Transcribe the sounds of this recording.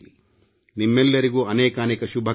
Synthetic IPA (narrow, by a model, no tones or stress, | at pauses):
i | nimːɛlːɐɾiɡuːɐneːkɐːneːkɐʃubʱɐ